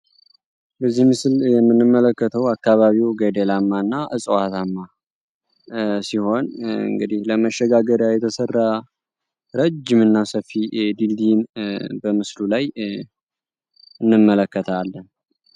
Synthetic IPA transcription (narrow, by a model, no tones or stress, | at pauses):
bəzːihmɨsljɛmːɨnːɨmːələkːət̪ʰəwakːaβaβiwɡed̪elamːaɨnːaʔɨsʼwat̪ʰamːa | siho̞nɨ̰ŋɡɨd̪ihləməʃːɛɡaɡəɾjajɛt̪ʰəsərːa | ɾəd͡ʒːɪmɨnːasəfːid̪ild̪inbəmɨslulaj | ɨnːɨmːələkːət̪ʰalːən